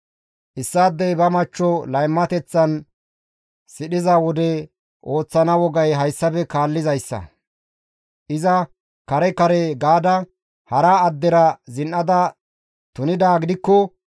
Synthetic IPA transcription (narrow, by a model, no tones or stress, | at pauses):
ʔɪsːaːd̪ːɛjbɐmɐt͡ʃːɔlɐjmːɐt̪ɛt͡sːɐn | sɪɗɪzawɔd̪ɛ | ʔo̞ːt͡sːɐnɐwɔɡɐjɦɐjsːɐbɛkaːlːɪzɐjsːɐ̰ | ʔɪzɐ | kɐɾɛkɐɾɛɡaːd̪ɐ | hɐɾaːd̪ːɛɾɐzɪnʔɐd̪ɐ | t̪ʊnɪd̪aːɡɪd̪ɪkːɔ